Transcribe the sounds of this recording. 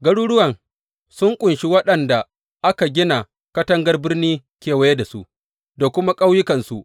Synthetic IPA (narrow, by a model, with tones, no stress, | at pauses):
ɡɐ˦ɽuː˦ɽʊ˦wɐ˨ŋ | sʊ˦ŋkʷʼʊ˨nʃi˦wɐ˦ɗɐ˨nda˨ | ʔa˦ka˨ɡʲɪ˦na˨ | kɐ˦tɐ˦ŋɡɐ˦rbɪ˦rniː˦kʲeː˨wɐ˦je˦da˨su˦ʔ | da˨kʷʊ˦ma˦kʼa˦wjɪ˦kɐ˨nsu˦ʔ